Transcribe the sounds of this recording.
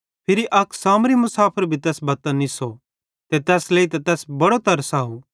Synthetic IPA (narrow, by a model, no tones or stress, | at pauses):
pʰɪɾiʔɐkʰsaːmɾimʊsaːpʰəɾbʱit̪ɛːsbɐt̪əniso | t̪et̪ɛːsleːit̪ɐt̪ɛːsbɐɽot̪ɐɾsaːu